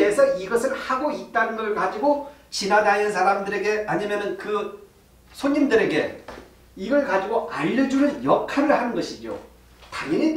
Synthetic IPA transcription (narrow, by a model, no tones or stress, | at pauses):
esʰʌiɡʌsʰɯɭhaɡoit̚t͈anɯnɡʌɾɯɭkad͡ʑiɡot͡ɕinanajɯnsʰaɾamdɯɾe̞ɡe̞aɲimjʌnɯnkɯ | sʰoɲindɯɾe̞ɡe̞ | iɡʌɭkad͡ʑiɡoʔa̰ʎːʌd͡ʑunɯnjʌkʰaɾɯɭhanɯnɡʌɕʰid͡ʑo̰ | taŋʌɲit